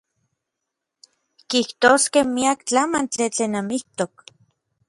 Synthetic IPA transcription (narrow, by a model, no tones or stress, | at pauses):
kiht̪oskehmiakt͡ɬamant͡ɬit͡ɬeːnamiht̪ok̚